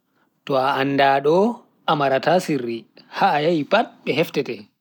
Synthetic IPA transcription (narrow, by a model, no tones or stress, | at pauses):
tɔaːnːdaːɗɔ | amaɾatasirːihaːjajipat̚ɓɛɦɛftɛtɛ